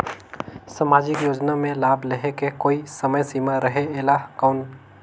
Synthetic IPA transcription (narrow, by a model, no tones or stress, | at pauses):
saːmaːd͡ʒɪkjoːd͡ʒnamẽlaːbʱləɦekekoːisɐməjsiːmaɾəɦeeːlakaːn